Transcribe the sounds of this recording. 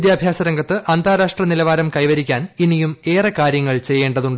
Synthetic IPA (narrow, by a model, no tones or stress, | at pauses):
d̪jaːbʱjaːsɐɾɐŋɡɐt̪ːɨʔɐnd̪ʱaːɾaːʂʈrɐnilɐʋaːɾɐmkɐjʋɐɾikʲːaːninijume̞ːrɐkaːɾjɐŋːɐɭt͡ɕe̞jːe̞ːɳɖɐðuɳɖɨ